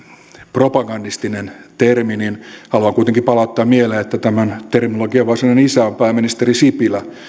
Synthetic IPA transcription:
propɑɡɑndist̪inent̪ermininhɑluɑŋkuit̪eŋkipɑlɑut̪ːɑːmmieleːet̪ːæt̪æmænt̪erminoloɡiɑʋʋɑrsemnnenisæompæːmːinist̪erisipilæ

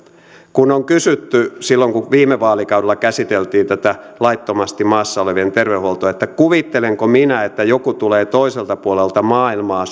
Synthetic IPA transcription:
kunoŋkysyt̪ːysilːoŋkuʋiːmeʋɑːlikɑwdelːɑkæsit̪elt̪iːnt̪æt̪ælɑit̪ːomɑst̪imɑːsːɑoleʋient̪erʋeuholt̪oet̪ːækuʋit̪ːeleŋkominæet̪ːæjokut̪uleːt̪oiselt̪ɑpuolelt̪ɑmɑːilmɑː

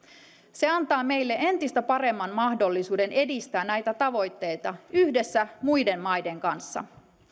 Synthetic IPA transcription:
se̞ɑnt̪ɑːme̞jlːeʔe̞nt̪ist̪æpɑre̞mːɑnmɑhdo̞lːisuːde̞nʔe̞dist̪æːnnːæjt̪æt̪ɑʋo̞jt̪ːe̞jt̪ɑyhde̞sːæmujde̞mmɑjde̞ŋkɑnsːɑ̰

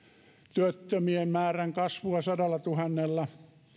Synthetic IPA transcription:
t̪yøt̪ːømiemmæːræŋkɑsʋuɑsɑdɑlːˑɑt̪uhɑnːelːɑ

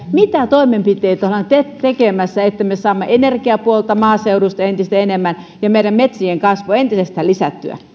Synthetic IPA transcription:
mit̪æt̪oimempit̪ˑeit̪ohlɑnt̪et̪ekemæsːæet̪ːæmesɑːmːɑʔenerkiæpuolt̪ɑmɑːseurust̪ɑent̪ist̪æenemːæn | jɑmeiɾæmmet̪sieŋkɑsʋoent̪isest̪æːlisæt̪ːy̰æ̰

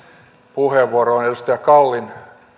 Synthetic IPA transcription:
puheʋːuoɾoːnedust̪ɑjækɑlːin

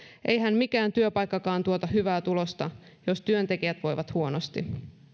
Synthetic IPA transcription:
ʔe̞jɦæmmikæːnt̪yøpɑjkːɑkɑːnt̪uo̞t̪ɑɦyʋæːt̪ulo̞st̪ɑ | jo̞st̪yønt̪e̞kiæt̪ʋo̞jʋɑt̪huo̞nost̪i

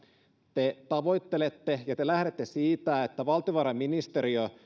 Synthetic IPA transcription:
t̪et̪ɑʋo̞jt̪ːelet̪ːejɑt̪elæhɾet̪ːesiːt̪æet̪ːæʋɑlt̪ioʋɑɾɑmminist̪eɾio

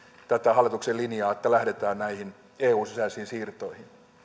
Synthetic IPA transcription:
t̪æt̪æhɑlːˑit̪ukselinjɑːet̪ːælæhdet̪æːnnæihin | eːuːnsisæisiːnsiːrt̪oihin

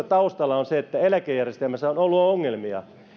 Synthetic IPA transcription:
æt̪ɑust̪ɑlːˑɑonseet̪ːæelækejærjest̪elmæsːæonolːuɑoŋːelmiɑ̰

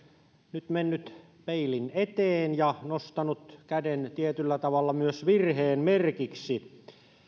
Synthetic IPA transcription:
nyt̪menːyt̪ | peilinet̪eːnjɑnost̪ɑnut̪kædent̪iet̪ylːæt̪ɑʋɑlːɑmyøsʋirheːnmerkiksi

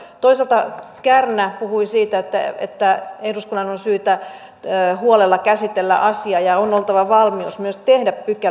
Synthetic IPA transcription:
t̪oisɑlt̪ɑkærnæpuhuisiːt̪æet̪ːæ̰ḛt̪ːæehduskunːɑnonsyːt̪æ | huolelːɑkæsit̪elːæ̰ʔɑsiɑjɑonolt̪ɑʋɑʋɑlmiusmyøst̪ehdæppykæ

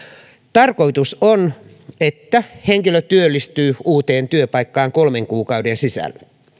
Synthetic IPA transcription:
t̪ɑrkoit̪uson | et̪ːæheŋkiløt̪yølːist̪yːuːt̪eːnt̪yøpɑikːɑːŋkolmeŋkuːkɑudensisæ̰lːæ

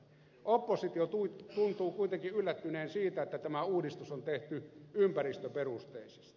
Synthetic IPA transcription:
opːosit̪iot̪ut̪unt̪uːkuit̪eŋkiylːæt̪ːyneːnsiːt̪æet̪ːæt̪æmæuːdist̪usont̪eht̪yympærist̪øperust̪eˑisi̥st̪

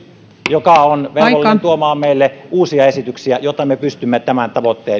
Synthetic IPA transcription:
jokɑonʋeolːent̪uomɑːmmeˑilːeʔuːsiɑesit̪yksiæjot̪ːˑɑmepyst̪ymːet̪æmænt̪ɑʋot̪ːḛː

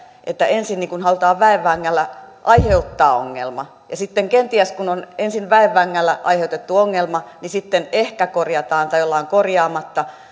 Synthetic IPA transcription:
ʔḛt̪ːæensinniːŋkunhɑlut̪ɑːʋʋæeʋːæŋːælːæʔɑiheut̪ːɑːo̰ŋːḛlmɑ | jɑsit̪ːeŋkent̪iæskunonensinʋæeʋːæŋːælːæʔɑ̰iheut̪et̪ːuoŋːelmɑnisit̪ːenehkækorjɑt̪ɑːnt̪ɑjolːɑoŋkorjɑːmɑt̪ːɑ

